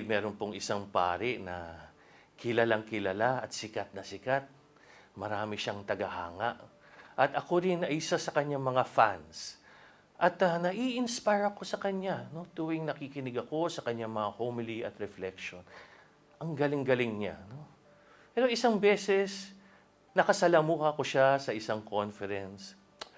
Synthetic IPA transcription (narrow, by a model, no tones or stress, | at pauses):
mɛːɾo̞npoŋɪsaŋpa̰ːɾɪʔnɐ̰ | kɪlɐlaŋkɪlɐlaʔɐt̪sɪkat̪̚nɐsɪkat̪̚ | mɐɾaːmɪʃaŋt̪ɐɡɐha̰ːŋɐ̰ʔ | ʔɐt̪ɐko̞ɾɪnɐsasɐkɐɲːaŋmɐŋafans | ʔɐt̪ɐnɐʔiʔɪnspajɹɐko̞sɐkɐɲːano̞t̪uwɪŋnɐkikɪnɪɡɐko̞sɐkɐɲːaŋmɐŋahomɪliʔɐt̪ɾɛflɛkʃon | ʔɐŋɡɐlɪŋɡɐlɪŋɲa̰no̞ | pɛːɾoʔɪsaŋbɛːsɛs | nɐkɐsɐlamukɐko̞ʃasɐʔɪsaŋkʰo̞nfɛɾɛns